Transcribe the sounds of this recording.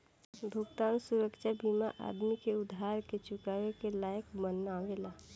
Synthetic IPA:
b̪ʱokt̪aːnsʊɾəkʃabiːmaʔa̰ːd̪mikeʊd̪ʱɦaːɾket͡ʃʊkaːʋekelaːjəkmənːaːʋelaː

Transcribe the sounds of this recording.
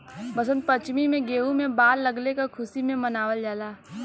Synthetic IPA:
bɐsə̃nd̪̚pət͡ʃmimẽɡeːũmẽbaːɾːɐɡlekakʰʊsimẽmɐnaːʋəld͡ʒaːlaː

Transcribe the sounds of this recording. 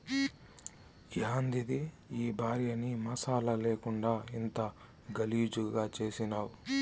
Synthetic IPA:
ɡaːnd̪id̪i | iːbʱaːɾjɐnimɐsaːlɐle̞ːkuɳɖaːint̪ɐ | ɡɐlijud͡ʒuɡaːt͡ʃe̞ːsinaːwu

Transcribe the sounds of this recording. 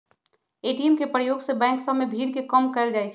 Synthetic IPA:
eːʈiɛmkepɾəjoːɡsebɛ̃ːŋksəmːebʱiːɾkekəmkɐɪld͡ʒaːet͡ʃʰ

